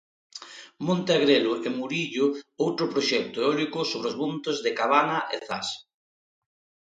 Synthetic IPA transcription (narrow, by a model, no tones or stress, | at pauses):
mõnt̪aeɣɾelʊʔemuɾiʎʊowt̪ɾʊpɾoʃɛk̚t̪ʊeɔlikʊsoβɾeozβunt̪ozðekaβ̞anaʔḛθa̰s